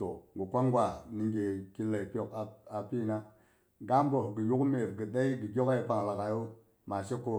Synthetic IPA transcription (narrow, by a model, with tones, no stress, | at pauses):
to˨ɡu˨kʷa˦ŋɡwa˨ni˨ŋɡe˨ki˦le˨pjo˨ka˨a˨pi˦na˦ | ɡa˦m˦bo˨hɡi˨ju˦kme˨ɾɡi˨ɗa˦i˦ɡi˨ɡʲo˦ka˦i˨pa˨ŋla˨ka˨jo˦ | ma˨se˦kːo˦